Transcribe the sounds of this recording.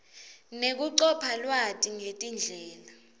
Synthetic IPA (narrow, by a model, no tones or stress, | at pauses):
nek̬uǀɔpʰalwatʼiŋetʼind͡ɮʱɛːla